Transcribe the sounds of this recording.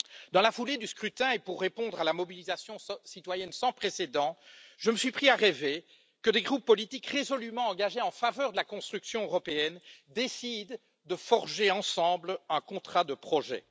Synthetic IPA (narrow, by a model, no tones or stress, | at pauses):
d̪ɑ̃lafuled̪yskχyt̪ɛ̃epuʁːepɔ̃d̪ʁalamɔbilizasjɔ̃sit̪wajɛnsɑ̃pχesed̪ɑ̃ʒəməsɥipχiaʁɛve | kəd̪eɡʁupːɔlit̪ikʁezɔlymɑ̃ɑ̃ɡaʒeɑ̃favœʁd̪əlakɔ̃st̪χyksjɔ̃øʁɔpeɛnd̪esid̪ː | əfɔʁʒeɑ̃sɑ̃blɛ̃kɔ̃t̪χad̪əpχɔʒɛ̰